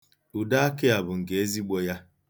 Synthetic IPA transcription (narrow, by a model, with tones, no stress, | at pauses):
u˨da˦a˦kɪ˦a˨bʊ˨ŋ̩˨ke˨e˦zi˦ɡ͡bɔ˦ja˦